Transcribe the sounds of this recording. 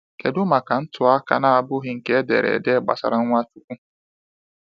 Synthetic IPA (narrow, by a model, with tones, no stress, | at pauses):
ke˨dʊ˦ma˨ka˨n̩˦tʊ˨a˦ka˦na˦a˨bʊ˦ɣɪ˦ŋ̩˨ke˦dḛ˨ɾḛ˨de˦˨ɡ͡ba̰˨sa̰˨ɾa˦ŋʷa˦tu˦kʷu˦